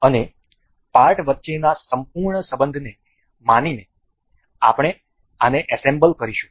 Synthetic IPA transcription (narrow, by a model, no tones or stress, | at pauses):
əne | paɾʈʋət̪ːʃenasəmpuɾɳəsəbənd̪ʱne | manine | a̰pɳ̃e | aneʔəsẽmbəlkəɾiʃũ̥